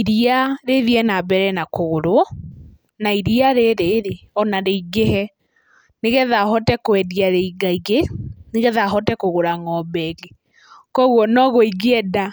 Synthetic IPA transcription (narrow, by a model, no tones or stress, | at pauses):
iɾiaɾeðiɛnabɛɾɛnakoɣoɾoɔ | naiɾiaɾeɾeɾeɔnaɾeiɡeɦɛ | neɣɛðaɦɔtɛkwɛdiaɾeiɡaiɣeneɣɛðaɦɔtɛkoɣoɾaŋɔbɛɣe | kɔɣwɔnɔɣoiɡeɛda